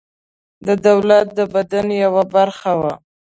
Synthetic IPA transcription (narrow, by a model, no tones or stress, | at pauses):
d̪əd̪awlat̪̚d̪əbad̪anjawabaɾxawa